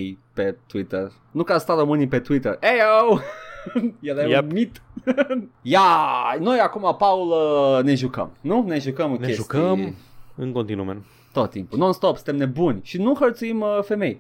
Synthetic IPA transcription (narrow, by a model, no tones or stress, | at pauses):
jpet̪wit̪er | nukast̪aɾəmɨnipe̞t̪uit̪erejow | jelemit̪ | jano̞jakumapauləne̞ʒukə̰mnuneʒukəmɨŋʲeʒukəiɨŋkont̪inume | t̪ot̪ːimpunonst̪opsɨ̥nt̪emne̞bunʲʃinuxərt̪suiməfe̞me̞j